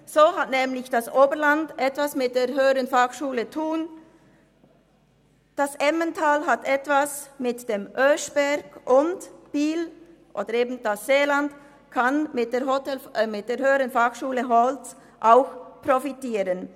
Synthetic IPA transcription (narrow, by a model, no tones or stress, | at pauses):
z̥oːɦatnɛːmlɪçd̥asʔoːbəʁlandɛtv̥asmɪt̚d̥eːɐɦøːəɾənfaxʃuːlətʰuːn | d̥asʔɛməntʰaːlɦatʔɛtv̥asmɪtd̥emʔøːʃb̥ɛʁɡʔʊntb̥iːl | ʔo̰ːdəɾeːbn̩d̥asz̥eːland | kʰanmɪt̚d̥eːɐɦotɛlmɪt̚d̥eːɐɾhøːəɾənfaxʃuːləɦɔlt͡s | ʔaʊxprofitiːɾən